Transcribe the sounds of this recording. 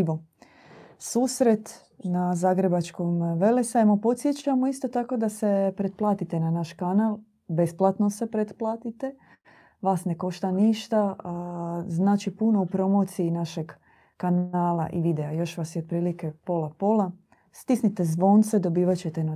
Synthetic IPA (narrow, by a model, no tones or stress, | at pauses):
ʋo | suːsɾe̞t̪ | nazaːɡɾe̞bat͡ʃko̞mʋe̞lesajemo̞po̞t̪sje̞t͡ɕamo̞ist̪o̞t̪ako̞d̪ase̞pɾed̪̚plˠaːt̪it̪e̞nanaʃkanaːl | be̞splˠat̪nose̞pɾed̪plˠaːt̪it̪e̞ | ʋaːsne̞ko̞ʃt̪aniʃt̪a | znaːt͡ʃipuno̞upɾo̞mo̞ːt̪siinaʃe̞ɡ | kanaːla̰ʔiʋid̪eajo̞ʃʋasjeod̪̚pɾiːlike̞po̞lapo̞la | st̪isnit̪e̞zʋo̞ːnt̪se̞d̪o̞biːʋat͡ɕet̪e̞na